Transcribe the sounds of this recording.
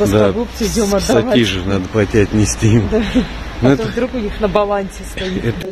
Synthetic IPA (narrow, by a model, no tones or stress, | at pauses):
əd̪aɐɡupsɨzʲomɐːɐɐvaijʐɨnad̪əpˠɐtʲiɐt̪ʲnʲɪsʲtʲimd̪a | noɛt̪ovd̪ɾukʊnʲixnəbɐlˠansʲɪst̪ɐjit̪ɛt̪